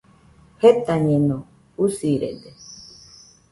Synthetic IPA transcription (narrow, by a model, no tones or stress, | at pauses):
het̪aɲẽnõ | usiɾḛd̪e